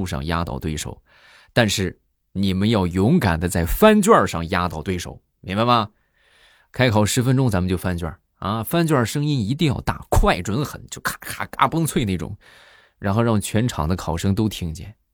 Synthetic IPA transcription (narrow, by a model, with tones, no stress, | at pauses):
u˥˧˩ʂɑ̰˥˩ŋja˥t̪ɑ̰˥˧ʊt̪we˥ɪʂo̰˨˩˦ʊ | t̪a˥˧nʂɻ̩˥˩ | ni˨˩mə˦njɑ˥˩ʊjʊ˧˥ŋka˨˩nd̪ə˦t͡sa˥˩ɪfa˥nt͡ɕwa˥˧ʂɑ˥˩ŋja˥t̪ɑ˥˧ʊt̪we˥ɪʂo̰˨˩˦ʊ | mi˧˥ŋba˧ɪɐ˩ | kʰa˥ɪkʰɑ˨˩ʊʂɻ̩˧˥fə˥nʈ͡ʂʊ˥ŋt͡sa˧˥mə˧t͡ɕjo˥˩ʊfa˥nt͡ɕɥa̰˥˩ | ɐ˥˧fa˥nt͡ɕɥwa˥˩ʂɤ˥ŋi˥ni˧˥t̪i˥˧ŋjɑ̰˥˧ʊt̪a̰˥˩kʰwa˥˧˩ɪʈ͡ʂwə˧˥nxə˨˩nt͡ɕjo˥˧ʊkʰkʰa˧˥˩ka˥pɤ˥ŋt͡sʰwe˥˧ɪne˥˩ʈ͡ʂʊ̰˨˩˦ŋ | ɻa˧˥nxo˥˧ʊɻɑ˥˩ŋt͡ɕʰɥɛ˧˥nʈ͡ʂʰɑ̰˨˩ŋd̪ə˦kʰɑ˨˩ʊʂɤ˥ŋt̪̬o˥ʊt̪ʰi˥ŋt͡ɕjɛ̰˥˩n